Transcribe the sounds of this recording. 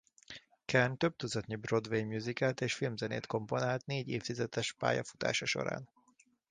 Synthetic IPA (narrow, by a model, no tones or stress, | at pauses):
kʰɛrnt̪øb̚t̪uzɒt̪ɲibro̞d̪ʋejmjuzikaːt̪eːʃfilmzɛnḛːt̪ko̞mpo̞naːlt̪neːɟeːft̪izɛt̪ɛʃpa̰ːjɒ̰fu̥t̪a̰ːʃɒʃo̞̰ɾa̰ːn